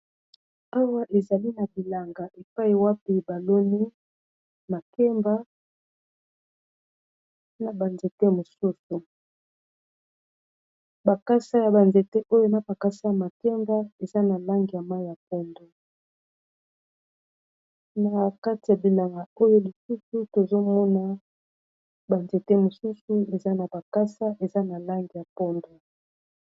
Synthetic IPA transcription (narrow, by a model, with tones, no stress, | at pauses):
a˦wa˦ʔe˨za˨li˦na˨bi˨la˨ŋɡa˨ʔe˨pa˦i˦˨wa˦pi˨ba˨lo˦ni˦ | ma˨kɛ˦mba˦ | na˨ba˨nze˨tɛ˦mo˨su˦su˨ | ba˨ka˦sa˦ja˨ba˨nze˨tɛ˦ʔo˦jo˦na˨pa˨ka˦sa˦ja˨ma˨kɛ˦mba˦e˨za˦na˨la˦ŋɡi˨ja˨ma˦i˦ja˨p̚ɔ˦ndo˦ | na˨ka˦ti˨ja˨bi˨la˨ŋɡa˨o˦jo˦li˨su˦su˦to˨zo˦mɔ˦na˦ | ba˨nze˨te˦mo˨su˦su˦e˨za˦na˨ba˨ka˦sa˦ʔe˨za˦na˨la˦ŋɡi˨ja˨pɔ˦ndo˦˨